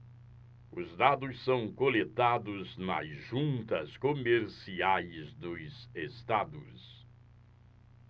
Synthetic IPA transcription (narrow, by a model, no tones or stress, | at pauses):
ʊzd̪ad̪ʊssɐ̃w̃kolet̪ad̪ʊznɐ̰zʒũnt̪ɐskomeɾsiajzd̪ʊzest̪ad̪ʊ̰s